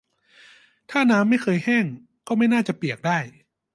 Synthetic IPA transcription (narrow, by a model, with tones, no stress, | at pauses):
t̪ʰaː˥˩naː˦˥mːa˥˩jkʰɤː˧jhɛː˥˩ŋ | kɔː˥˩ma˥˩jnaː˥˩t͡ɕa˨˩pi˨˩ək̚daː˥˩j